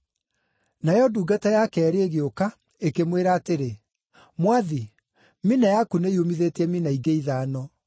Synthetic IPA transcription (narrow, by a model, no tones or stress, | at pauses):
najɔduːɡatajakɛːɾeeɣeoka | ekemweɾaːteɾe | mwaði | minajakuneiomiðetɛminaiɡeiðaːnɔ